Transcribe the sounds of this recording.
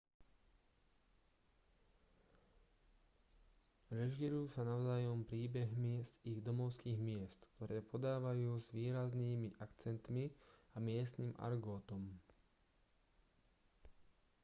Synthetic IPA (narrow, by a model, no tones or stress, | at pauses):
ɾɛʒiɾuːsanaʊzaːjɔmpɾiːbɛɦmiziɣd̪ɔmɔʊskiːɣmɪɛst̪kt̪ɔɾɛːpɔd̪aːʋajuːzʋiːɾazniːmiʔakt͡sɛnt̪miamɪɛst̪niːma̰ɾɡɔːt̪ɔm